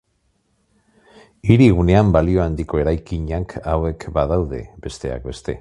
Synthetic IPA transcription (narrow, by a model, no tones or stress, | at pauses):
iɾiɣ̞une̞ambalio̞and̪iko̞e̞ɾajkiɲakʰawe̞kbaðawðe̞̰be̞st̪e̞a̰k̚be̞st̪e̞̰